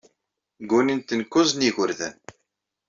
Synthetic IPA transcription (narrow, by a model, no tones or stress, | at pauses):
ɡunint̪ənkʊzniʝʊɾðə̰n